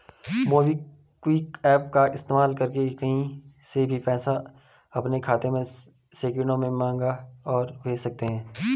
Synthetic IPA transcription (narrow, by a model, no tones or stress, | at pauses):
moːbi | kwiːkɛːp̚kaɪst̪eːmaːlkɐɾkekɐɦĩsebʱipɛːsa | ɐpnekʰaːt̪ẽmẽ | seːkɾɪ̃ɳɖõmẽmãːŋɡaɔːɾʋeːsɐk̚t̪eɦɛ̃ː